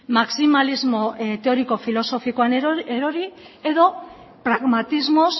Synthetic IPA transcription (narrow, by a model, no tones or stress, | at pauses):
maksimalizmot̪eo̞ɾiko̞filo̞so̞fikoaneeɾoɾi | eðo̞ | pɾaɣmat̪izmos